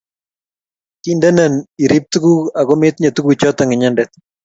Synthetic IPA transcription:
ki˦ndɛ˦na˨ni˨ɾi˦p̚t̪u˦ɡu˦a˨ɣɔ˦mɪ˦t̪ɲa˨t̪u˦ku˨t͡ʃɔ˦t̪a˨ŋɪ˨ɲandɛt̪̚

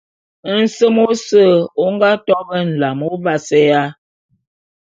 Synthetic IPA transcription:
n̩˦sə˦mo˦sə˦˨o˦ŋ˦ɡa˦tɔ˦bə˦n̩˨la˨mo˦va˦sɛ˦ja˦

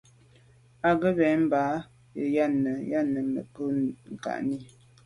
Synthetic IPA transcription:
a˨ɣə˦bɛ˨˦m̩˦baː˨˦ | ə˨ja˦˨nə˨ja˦nə˨mə̰˨pə˦ŋ̩˨ka̰˨ʔni˦

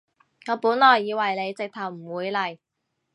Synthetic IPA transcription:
ŋɔː˨˧˥puː˨˥nlɔː˨˩jːiː˨˧wɐ˨˩jle˨˧jt͡sɪ˨k̚t̪ʰɐ˨˩wm̩˨˩wuː˨˧jlɐ˨˩j

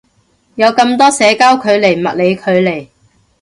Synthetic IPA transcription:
jɐ˨˧wkɐ˧mt̪ɔː˥sɛː˨˧kaː˥wkʰɵ˨˧ɥle˨˩jmɐ˨t̚le˨˧jkʰɵ˨˧ɥle˨˩j

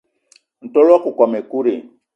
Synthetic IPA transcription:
n̩˨to˦lɔ˦ku˨ka˨me˨ku˦ɾe˨

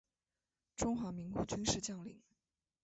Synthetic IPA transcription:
ʈ͡ʂʊ˥ŋxwa˧˥mi˧˥ŋku˨˥t͡ɕy˥nʂɻ̩˥˧t͡ɕjɑ˥˩ŋlḭ˨˩˦ŋ

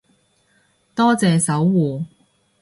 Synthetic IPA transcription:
t̪ɔː˥t͡sɛː˨˧sɐ˨˥wːuː˨˩

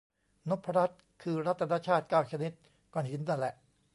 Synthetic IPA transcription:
no˦˥pʰːa˧ɾa˦˥t̪̚ | kʰɯː˧ɾa˦˥t̪ʰːa˧naː˦˧˥t͡ɕʰaː˥˩t̪̚kaː˥˩wt͡ɕʰa˧ni˦˥t̪̚ | kɔ˧˩nhi˩˦nd̪aː˧˩lɛ˨˩ʔ

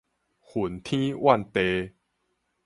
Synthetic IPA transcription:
hu˨˩nt̪ʰĩ˦wʔa˥˨nt̪e˧

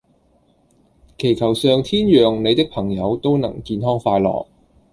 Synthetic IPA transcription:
kʰe˨˩jkʰɐ˨˩wsœː˨˧ŋt̪ʰiː˥njœː˨ŋne˨˧jt̪ɪ˥k̚pʰɐ˨˩ŋjɐ˨˧wt̪o˥wnɐ̰˨˩ŋkiː˧nɦɔː˥ŋfaː˧jlɔ̰ː˨k̚

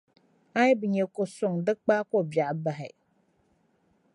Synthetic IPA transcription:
a˦bɨ˨ɲɛ˨ko˨sʊ˦ŋdɨ˦k͡pa˦ko˦˨bja˨ʔba˨ɦɪ̰˨

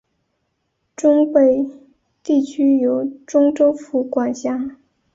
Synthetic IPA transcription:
ʈ͡ʂʊ˥ŋpe˨˩ɪ | t̪i˥˩t͡ɕʰy˥jo˧˥ʊʈ͡ʂʊ˥ŋʈ͡ʂo˥ʊfu˧˩kwa˨˩nɕja˥

